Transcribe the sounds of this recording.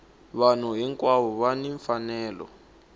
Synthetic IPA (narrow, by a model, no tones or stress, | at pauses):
βan̤uɦiŋkwaβɔβaniɱfanɛːlɔ̰